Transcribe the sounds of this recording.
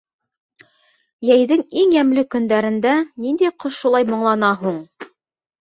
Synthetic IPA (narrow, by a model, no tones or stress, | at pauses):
jæjðɘŋiŋjæmlɘkɵ̆nd̪æɾɘ̆nd̪ænind̪æjqŏʃulˠɑjmŏɴlˠɑnɑɦuɴ